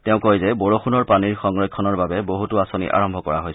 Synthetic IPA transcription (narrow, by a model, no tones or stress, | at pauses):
tɛʊ̃kojzɛboɹoxunɔɹpaniɹxɔŋɹɔjkʰːɔnɔɹbabɛboɦutuasonḭʔa̰ɹɔmbʱɔkɔɹaɦojs